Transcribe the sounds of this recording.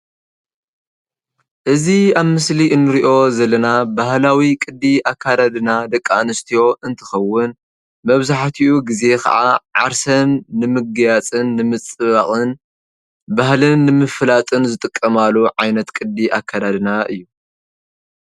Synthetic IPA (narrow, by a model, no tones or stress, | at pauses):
ʔɨziaβmɨsliʔɨnːɨɾiʔo̞zɐlːɐnabahlawikʼɨd̪ːiʔakʰːad̪ad̪ɨnad̪ɐkʼːanɨst̪ʰijo̞ʔɨnt̪ʰɨ̥xɐwːʊn | mɐβzaħt̪ʰiʔuɡize̞kʰɐ̰ʕaʕaɾsɐnːɨmɨɡjat͡sʼɨnːɨmɨt͡sʼɨβaχʼɨn | bahlɨnːɨmɨflat̪ʼɨnzɨt̪ʼɨkʼːɐmaluʕajnɐt̪kʼɨd̪ːiʔakʰːad̪ad̪ɨnaʔɨjːu